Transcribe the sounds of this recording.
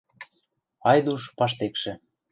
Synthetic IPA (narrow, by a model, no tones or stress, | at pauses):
ɑjd̪uʃpɑʃ̬t̪ekʃĕ